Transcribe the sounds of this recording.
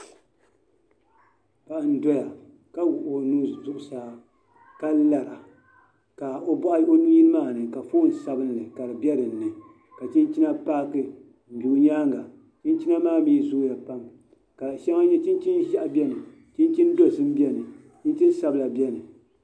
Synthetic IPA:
pa˨ʔn̩˦dɔ˦ja˨ | ka˦wʊ˨ʔo˨nu˦zʊ˨ʔʊ˨saː˨˦ | ka˦la˨ɾa˨ | ka˨o˦bɔ˦ʔa˦ʔo˦nu˦ji˦lmaː˦˨nɨ˨ka˨fo˦n̩˨sa˦bɨ˦n˨lɨ˨ka˨ɾɨ˨bɛ˦dɨ˨n̩ː˦ɨ˨ | ka˨t͡ʃi˦nt͡ʃi˦na˦paː˦kɨ˦˨ | bu˨ɲaː˦ŋɡa˨ | t͡ʃi˦nt͡ʃi˦na˦maː˦˨miː˦zu˦ja˨pa˦m | ka˨ʃa˦ŋa˦ɲɛ˦t͡ʃi˦n˦t͡ʃi˦nʒa˦ʔa˨bɛ˦nɨ˨ | t͡ʃi˦nt͡ʃi˦n˦do˦˨sɨ˦m̩˦bi˦ɛ˦nɨ˨ | t͡ʃi˦n˦t͡ʃi˦n˦sa˦bɨ˨la˨bɛ˦nɨ˨

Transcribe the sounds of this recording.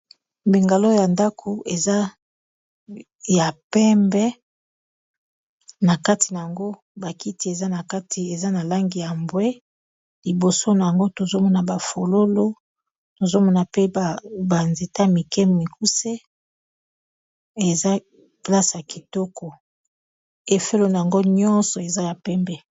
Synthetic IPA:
bi˨ŋɡa˨lo˦ja˨nda˦kʰo˨ʔe˨za˦ | ja˨pɛ˦mbɛ˦ | na˨ka˦ti˨na˨ja˨ŋɡo˦ | ba˨ki˦ti˦e˨za˦na˨ka˦tʰi˨e˨za˦na˨la˦ŋɡi˨ja˨mbwe˦ | li˨bo˨so˦na˨ja˨ŋɡo˦to˨zo˦mɔ˦na˨ba˨fo˨lo˦lo˦ | to˨zo˦mɔ˦na˨pe˦˨ba˨nze˨ta˦mi˨kɛ˦mi˨ku˦se˦ | e˨za˦ | pla˦sa˨ki̥˨tɔ˦kʰɔ˨ | e˨fe˦lo˨na˨ja˨ŋɡo˦ɲɔ̃˦nsɔ˨e˨za˦ja˨pɛ˦mbɛ˦

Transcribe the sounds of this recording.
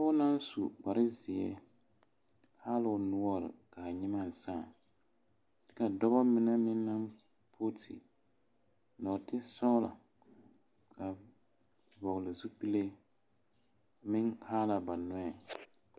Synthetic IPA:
ʊ˦na˦n˦su˨k͡pa˨ɾɪ˦zɪ˨ɛ˦ | ha˦lɪ˨ʊ˨nʊ˦ɔ˦ɾɪ̰˨ka˨ɲɪ˦ma˦˨n˨saː˦˨˦ | ka˨dɔ˦bɔ˦mɪ˦nɛ˦mɪ˦nːa˦m | pʰo˦tʰɪ̰˨ | nɔ˨tɪ˦sɔ˦la̰˨ | ka˨ | bɔ˨ɣlɪ˨zu˦k͡pi˦le˦ | mɪ˦ŋha˦la˨ba˨nɔ˦ɛ˨

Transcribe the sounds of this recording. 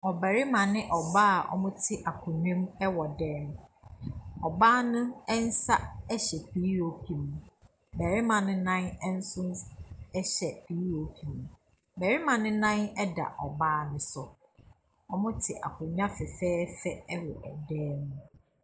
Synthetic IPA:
ɔ˨bɛ˨ɾi˦mã˨nɪ̃˦ʔɔ˨baː˦a˨ʔɔ̰˦mʊ̃˦tʰɪ˦ʔa˨kʰʊ˨ɲᶣũ˦mɛ˦wɔ˨dɛː˦m˦ | ɔ˨baː˦nʊ̃˦ɛ˦n̩˦sa˦ɛ˦ɕɛ˨pʰi˨˦ɾo˨pʰi˨mũ˨ | mɛ˨ɾi˦mã˨nʊ̃˦nã˦nɛ˦n̩˦sʊ̃˦ɛ˦ɕɛ˨pʰi˨˦ɾo˨pʰi˨mũ˨ | mɛ˨ɾi˦mã˨nʊ̃˦nã˦nɛ˦da̰˨ʔɔ˨baː˦nʊ̃˨sʊ˨ | ɔ˦mʊ̃˦tʰɪ˨ʔa̰˨kʰʊ̃˨ɲᶣ˦ã˦fɛ˨fɛː˦fɛ˦ɛ˦wɔ̰˨ʔɛ˨dɛː˦mũ˦

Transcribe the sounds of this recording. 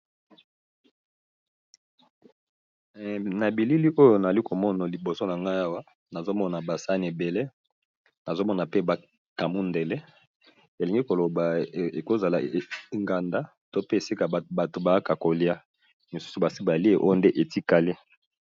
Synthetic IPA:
na˨bi˨li˦li˦ʔo˦jo˦˨na˨za˨li˦ko˨mɔ˦na˨li˨bo˨so˦na˨ŋɡa˦a˦wa˦ | na˨zo˦mɔ˦na˨ba˨sa˦ni˨e˨be˨le˦ | na˨zo˦mɔ˦na˨pe˦ba˨ | ka˨mu˦nde˨le˦ | e˨li˨ŋɡi˦ko˨lo˨ba˨e˨ko˦za˨la˨e˨fŋɡa˨nda˦ | to˦pe˦e˨si˦ka˨ba˨to˨ba˨˦ka˨ko˨li˦a˦ | mi˨su̥˦su˨ba˨si˦ba˨li˦e˨ʔo˦jo˦nde˦ʔe˨ti˦ka˨li˦

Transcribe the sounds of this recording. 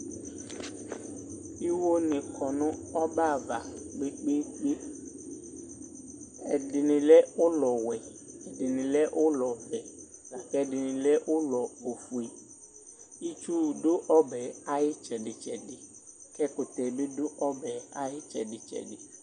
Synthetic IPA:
i˦wo˦nɪ̃˨kʰɔ˨nʊ̃˦ɔ˦ba˦˨va˨ɡ͡be˦k͡pe˦k͡pe˦ | ɛ˨dɪ˨nɪ̃˨lɛ˦o˦lɔ˨wɛ˨ɛ˨ɖɪ˨nĩ˨lɛ˦ʔo˦lɔ˨vɛ˨la˨kɛ˦˨dɪ˨nɪ̃˨lɛ˦wʔo˦lɔ˨o˨fu˨i˨ | i˦t͡ʃu˦ɖo˦ʔɔ˦bɛ˨a˨jɪ˦t͡ʃɛ˨ɖɪ˨t͡ʃɛ˨ɖɪ˨kɛ˦kʊ˨t̪ɛ˨be˦do˦ʔɔ˦bɛ˨a˨jɪ˦t͡ʃɛ̰˨ɖɪ˨t͡ʃɛ̰˨ɖɪ˨

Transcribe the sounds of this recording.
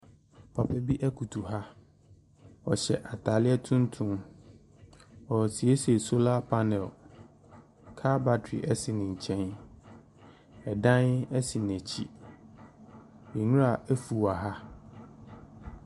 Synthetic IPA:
pʰa˨pʰɛ˦bi˦ʔæ˦kʰu˨tʰu˨ɦa˦ | ɔ˨ɕɛ̰˨ʔa˨tʰa˨lɪ˦ɛ˦tʰũ˦n˦tʰʊ̃˦m | ɔ˨si˨e˦se˨so˦la˦pʰa˦nɛ̃˨l | kʰa˦ba˦tʰḭ˨ʔɛ˦sɪ˨nɪ̃˨ɲ̩˨t͡ɕʰɛ̃˦n | ɛ˨dã˦nɛ˦si˨n˨æ˨t͡ɕʰi˦ | mi˨nũ˦ɾa˨ʔæ˦fu˨a˨ɦa˦

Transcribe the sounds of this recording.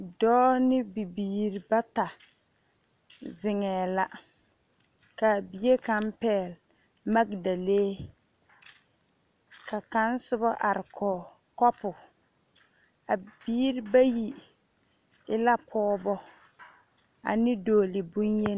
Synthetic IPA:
dɔː˦nɪ˦bi˨biː˨ɾi˨ba˦ta˨ | zɪ˨ŋɛː˨la˦ | ka˨bi˨˦e˦ka˨˦mpɛː˦˨l | ma˦ɡda˨leː˦ | ka˨ka˦n˦sʊ˦βa˦ʔa˨ɾɪ˨kɔ˨ | kɔ˦pʊ˨ | a˨b̥iː˦ɾi˦ba˦ji˨ | ɪ˦la˦pʰɔː˦bɔ˦ | a̰˨nɪ˦doː˨lɪ˨bu˦nje˦n˦

